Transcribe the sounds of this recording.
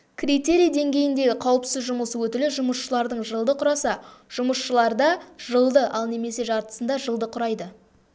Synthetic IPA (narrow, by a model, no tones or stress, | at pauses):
kʲʰrʲit̪e̞ɾijad̪e̞ŋɡʲe̞jɪnd̪e̞ɡʲɪqʰɑwəpsɪzʒʊməsəwɵt̪ɪlɪʒʊməsʃəlˠɑɾd̪əɴʒəlˠd̪əqʰʊɾɑsɑʒ̥ʊməsʃəlˠɑɾd̪ɑʒəlˠd̪əʔɑlˠne̞me̞se̞ʒɑɾt̪ə̥sənd̪ɑʒəlˠd̪əqʰʊɾɑjd̪ə